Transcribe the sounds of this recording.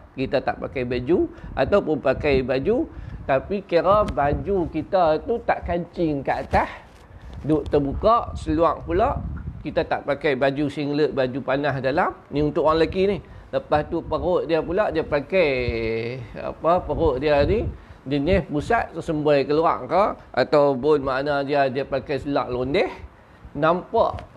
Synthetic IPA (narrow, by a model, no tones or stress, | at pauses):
kit̪at̪a̰ʔpakajbad͡ʒuʔa̰t̪awpʊnpakajbad͡ʒut̪apikəɾabad͡ʒukit̪at̪ut̪aʔkaɲt͡ʃɪŋkaʔat̪ah | dʊʔt̪əbukaʔsəluaŋpulaʔkit̪at̪aʔpakajbad͡ʒusiŋləʔ̚bad͡ʒupanahdalamniunt̪ʊʔwaŋlaɡinih | ləpaht̪upəroʔ̚diapulaʔdiapakaj | a̰pəpəɾoʔ̚dianid͡ʒənɪhpusat̪̚səmbəjkəlua̰ŋkəa̰t̪awbonmaʔnadiadiapakajsəluaŋlondɛh | nampa̰ʔ